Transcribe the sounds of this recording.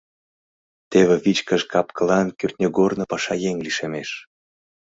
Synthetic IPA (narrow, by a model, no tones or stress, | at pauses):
t̪eβĕβit͡ɕkə̆ʃkɑpkʰɤ̆lɑnkyrt̪̚ʲnʲeɡornɤ̆pɑʃɑjeŋʲliʃemeʃ